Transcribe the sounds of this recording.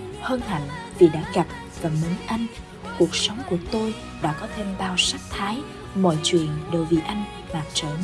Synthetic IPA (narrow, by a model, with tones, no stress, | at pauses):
həː˧nha̰˧˩jŋvi˨˩ɗa̰ː˧˥ɣa˨˩p̚ | vaː˨˩mə˨˦nʔa˧jŋ̟ | ku˨˩ək̚sa˨˦wŋ͡mku˧˩ət̪o˧j | ɗa̰ː˧˥kɔ˨˦t̪ʰe˧mɓaː˧wsa˦˥k̚t̪ʰaː˨˦j | mɔ̰˧˨jt͡ɕwḭ˧˨ənɗə˨˩wvḭ˧˨˩ʔa˧jŋ̟ | maː˨˩k̚t͡ɕəː˧˩